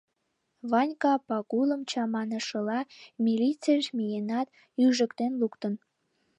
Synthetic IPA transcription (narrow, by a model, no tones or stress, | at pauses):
βɑnʲkɑpɑkuləmt͡ɕɑmɑnəʃəlɑmʲilʲit͡seʃmijenɑt̪ | yʒəkt̪enlukt̪ən